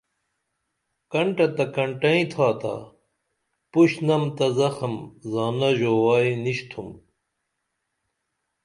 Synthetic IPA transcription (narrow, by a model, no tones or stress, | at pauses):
kɐɳʈɐt̪ɐkɐɳʈɐĩt̪ʰaːt̪a̰ | puɕnɐmt̪ɐzɐxɐmzaːnɐʑoːwaːiniɕt̪ʰum